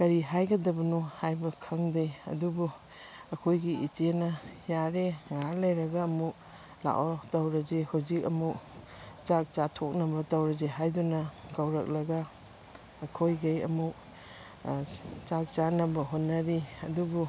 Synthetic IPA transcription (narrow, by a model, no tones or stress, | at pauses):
kɐɾiɦajɡɐdɐbɐnuhajbɐkʰɐŋdeɐ̰dubu | ɐkʰojɡiit͡ʃenɐjaɾeŋalejɾɐɡaːmuk̚ | la̰ʔwotɐwɾɐd͡ʒehawzikɐ̰muk | t͡ʃak̚t͡ʃatʰok̚nɐbɐtɐwɾɐd͡ʒeɦajdunɐɡɐwɾɐ̰k̚lɐɡaː | kʰojɡejɐ̰muk | t͡ʃak̚t͡ʃanɐbɐɦonːɐɾiɐdubu